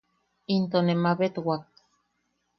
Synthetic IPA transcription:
int̪onemaβet̪wak̚

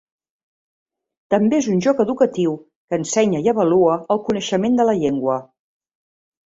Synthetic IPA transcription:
t̪əmbeezunʲʒɔkəðukət̪iw | kənsɛɲəiəβəluəːlˠkunəʃəmend̪ələʎeŋɡwə

